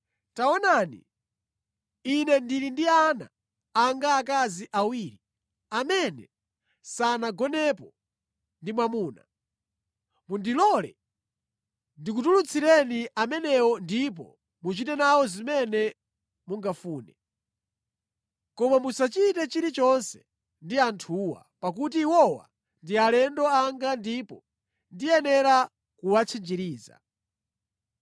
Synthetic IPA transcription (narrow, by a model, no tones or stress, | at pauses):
taɔnanḭ | inɛndiɾindiana̰ː | ŋɡaːk̬aziʔawiːɾi | amɛnɛ̰ | sanaɡɔnɛpɔ | ndimwamuːna̰ | mundilɔlɛ̰ | ndik̬utulut͡sʰiɾɛniʔamɛnɛwɔndip̬ɔ̰ | mut͡ʃitɛnawɔzimɛnɛ | muŋɡafuːnɛ | kɔmamusat͡ʃitɛt͡ʃiɾit͡ʃɔnsɛ̥ | ndiantʰuːwa̰pakut̬iwɔwa̰ | ndialɛndɔaŋɡandipɔ | ndijɛnɛɾa | kuwat͡sʰind͡ʒiɾiːza̰